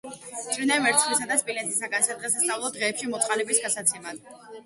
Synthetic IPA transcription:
t͡ʃʼiɾnamɛɾt̪sʰχlisad̪aspʼilɛt̪ʰi̥saɡansad̪ʁɛsast̪sʼavlˠɔd̪ʁɛːpʃimɔt̪sʰχalɛbisɡatsat̪sʰɛmad̪̥

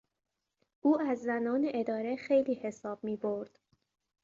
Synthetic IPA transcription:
ʔuːæzːænɒːne̞ʔed̪ɒːɾe̞xe̞jliːhe̞sɒːb̥̚miːbo̞ɾd̪̥

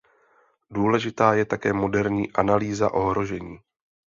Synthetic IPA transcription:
duːlɛʒɪt̪aːjɛt̪akɛːmo̞dɛɾɲḭːʔanaliːzaʔo̞ɦɾo̞ʒɛɲiː

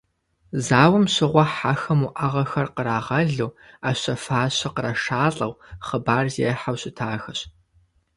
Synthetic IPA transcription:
zaːwɐmɕɪʁʷɔħaxɐmuʔɐʁɐxɐrqəɾaːʁɐɮuːaːɕɐfaːɕɐqəɾɐʃaːɬʼɐwχəbaːrzḛːħawɕɪtʰaːxɐɕ

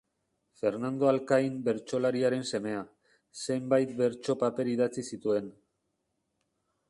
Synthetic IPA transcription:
fe̞ɾnand̪o̞alkajmbe̞ɾt͡ʃo̞laɾiaɾe̞nse̞me̞a | se̞mbajt̪̚be̞ɾt͡ʃo̞pape̞ɾiðat͡sisit̪ue̞n

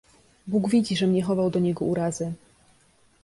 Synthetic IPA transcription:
buɡvʲid͡ʑiʐɛmɲɛxɔvawd̪ɔɲɛɡɔuɾazɘ

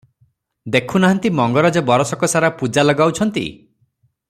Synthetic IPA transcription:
d̪ekʰunaɦant̪imɔŋɡɔɾad͡ʒɔbɔɾɔsɔkɔsaɾapud͡ʒalɔɡawt͡ʃʰɔnt̪ḭ

